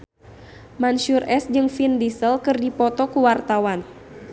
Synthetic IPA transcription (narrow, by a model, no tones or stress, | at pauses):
manʃurʔɛsd͡ʒɨŋfindisəlkɨrdipɔt̪ɔkuwart̪awan